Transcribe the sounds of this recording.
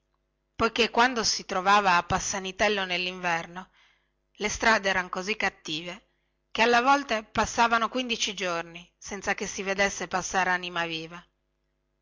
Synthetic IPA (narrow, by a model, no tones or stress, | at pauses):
pojkekːwand̪osit̪ɾovaːvaːpːasːanit̪ɛlːonelːiɱvɛrno | lest̪ɾaːd̪eɛːɾaŋkozikːat̪ːiːve | kealːevɔlt̪epasːaːvanokwind̪it͡ʃid͡ʒornisɛnt̪sakesːived̪esːepasːaːɾanimaviːva